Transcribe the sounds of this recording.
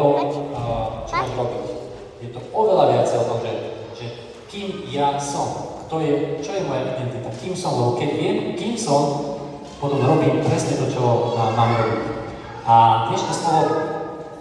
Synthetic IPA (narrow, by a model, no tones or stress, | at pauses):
ɔ | t͡ʃɔmɔʒɾɔbit | jɛt̪ɔɔʋɛlaʋɪat͡sɛɔt̪ɔmʒɛ | ʒ̥ɛ | kimjasɔmkt̪ɔjɛt͡ʃɔjɛmɔjaʔid̪ɛnt̪it̪akiːmsɔmlɛbɔkɛɟʋɪɛmkimsɔm | pɔt̪ɔmɾɔbiːmpɾɛsɲɛt̪ɔt͡ʃɔɦɔnamɾɔbim | ʔaɡ̪ɲɛʃnist̪aɛ